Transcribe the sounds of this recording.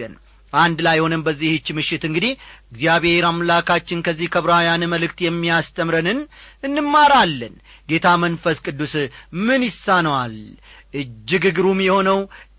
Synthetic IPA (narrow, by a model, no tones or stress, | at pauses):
ən | and̪lajho̞nəmbəzːihɨt͡ʃːmɨʃːɪt̪ɨŋɡɨd̪ihɨɡzjaβhe̞ɾamlakʰat͡ʃːɪnkʰəzːihkʰəβɾajanɨməlɨk̚t̪jɛmːijast̪ʰəmɾənɨnɨnːɨmːaɾalːənɡe̞t̪ʰamənfəskʼɨd̪ːusmɨnjɪsːanəwalʔɨd͡ʒːɪɡɨɡɾumjɛho̞nəw